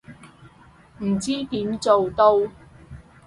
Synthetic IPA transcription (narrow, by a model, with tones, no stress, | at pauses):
m̩˨˩t͡siː˥t̪iː˨˥mt͡so˨wt̪o˥w